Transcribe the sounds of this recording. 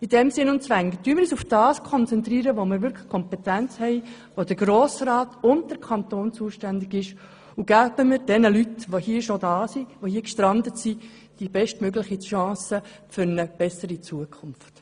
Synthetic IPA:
idɛmsɪnʊnt͡sʋæŋɡəd̥yəmɪɾiːsufd̥ɑːskʰɔnt͡sɛnt̪ɾiːɾəʋomɪɾʋʏɾkʰlə̥χkʰɔmpɛt̪ænt͡shɛɪ | ʋod̥əɾɡɾoːsrɑːtʊnd̚d̥əɾkʰɑnt̪oːnt͡suəʃtændɪɡɪʃ | uɡ̥æb̥əmɪɾd̥ɛnəlytʋohiːʃodɑːsiʋohiːəkʃtɾɑndətsi | d̥ibɛʃtmøɡlɪχiʃɑ̃ːsəfʏɾnəb̥ɛsəɾit͡suəkʰʊnft

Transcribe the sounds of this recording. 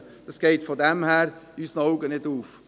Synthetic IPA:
d̥ɑsɡ̥eɪtfɔdɛmhæːɾysənɔʊɡənɪduːf

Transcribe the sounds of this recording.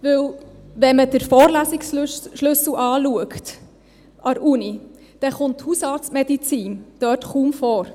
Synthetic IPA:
ʋɵwʋɛməd̥əɾfɔːɾlæːsiksʃlɵsl̩ʔɑːluəkt | ʔɑɾuni | d̥ɛχʊntːhusɑːɾt͡smɛdit͡siːnd̥œːtχuːmfɔːɾ

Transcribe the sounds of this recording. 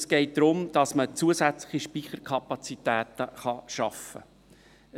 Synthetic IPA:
sɡ̥ɛɪt̚d̪̥ɾʊmd̥ɑsmət͡suːəsæt͡slɪχiʃpiːχəɾkʰɑpɑt͡sitæːt̪əχɑʃɑfə̰

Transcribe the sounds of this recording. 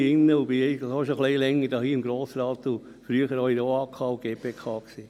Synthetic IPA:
ɪnːəʊbiɛjhoʃoχleɪlɛŋːədɑːhiːɪmɡɾoːsɾɑːt̪u | fɾyːəχəɾhoidoːɑːkʰɑːuɡ̥eːpʰeːkʰɑːksiː

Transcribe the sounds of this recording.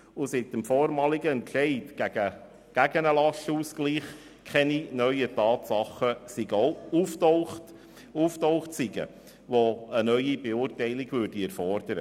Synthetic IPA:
ʊsɪtəmfɔːɾmɑːliɡəɛnʃɛɪtɡ̥æɡə | ɡ̥æɡənəlɑʃəuːskliːχ | kʰɛninœʏətɑːt̪sɑχəsiɡoʊuːftoʊχt | uːftoʊχtsɪɡə̰ | ʋoənœʏib̥euːrtɛɪlɪɡʋʏːɾd̥iɛɾfɔrd̪̥əɾə̰

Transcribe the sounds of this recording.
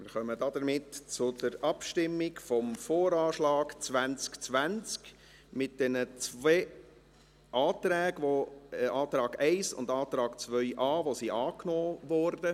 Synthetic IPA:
mɪɾχœməd̥ɑd̥̪əɾmɪtt͡sʊd̥əɾɑpʃtɪmːɪkfɔmfoːɾɑːʃlɑːɡ̥t͡sʋænt͡skt͡sʋænt͡sk | mɪt̚d̥ɛnət͡sʋɛː | ʔɑːtɾæːɡʋoɛʔɑːtɾɑːɡ̥ɛɪsʊ̰ndɑːt̪ɾɑːɡ̥t͡sʋœʏʔɑːʋosiʔɑːknɔːvɔːɾdə

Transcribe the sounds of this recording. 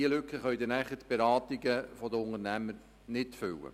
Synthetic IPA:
iəlʏkχəχœɥd̪ɪnæχətb̥eɾɑːt̪iɡəfɔd̪əʊŋəɾnæməɾ | nɪtfʏwə̰

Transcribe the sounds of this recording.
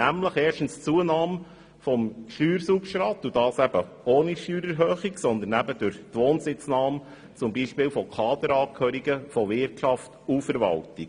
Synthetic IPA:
æmləχɛːʃtn̩st͡suənɑːm | fɔmʃyːɾsukʃɾɑːt̪ːud̥ɑːsæb̥ə | oːniʃtyːɾəɾɦøːχiksɔnd̪ənæbəd̥ʊɾçtʋoːnsɪt͡snɑːm | t͡sʊmbiːʃpɪːlfɔkʰɑːd̪əɾɑːkʰhœːɾiɡəfɔʋɪɾtʃɑftufəɾʋɑ̰ltiɡ

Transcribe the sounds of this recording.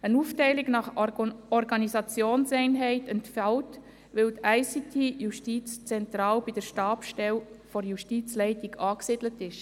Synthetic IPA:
ənuftɛɪliɡnɑχɔɾɡɑnisɑt͡sjoːnsɛɪnɦɛɪtɛntfælt | ʋɪltæɪsitʰejuʃtiːt͡st͡sɛntɾɑːlb̥id̥əɾʃtɑːpʃtɛlfɔɾjuʃtiːt͡slɛɪtiɡɑːksɪd̥lətɪʃ

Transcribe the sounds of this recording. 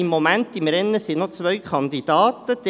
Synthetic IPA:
imːomænt̪imɾɛnːəsinot͡sʋœɥkʰɑnd̪id̥ɑːt̪əd̥̪ɛ

